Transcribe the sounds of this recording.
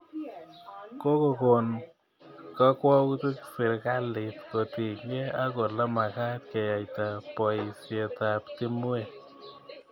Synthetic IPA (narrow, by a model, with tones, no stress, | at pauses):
ko˦ko˨ko˨n | ka˦kwɔ˦kt̪u˦ksɪ˨ɾka˦lɪ˨t̪ko˨t̪i˨ŋɡe˦a˦ko˨la˦ma˨ka˦t̪ke˨ja˨jt̪a˨pɔ˨i˨se˨t̪a˨pti˦mu˦e˨